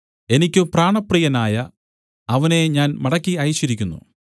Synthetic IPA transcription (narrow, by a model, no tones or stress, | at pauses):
e̞nikʲːupraːɳɐprijɐnaːjɐ | ɐʋɐne̞ɲaːnmɐɽɐkʲːiɐjɕiɾikʲːunːṵ